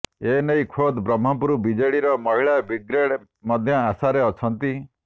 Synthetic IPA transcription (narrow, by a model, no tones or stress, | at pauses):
enejkʰod̪bɾɔm̤ːɔpuɾubid͡ʒeɭiɾɔmɔɦiɭabiɡɾeɽ | mɔd̪ʱjɔasaɾeɔt͡ʃʰɔnt̪i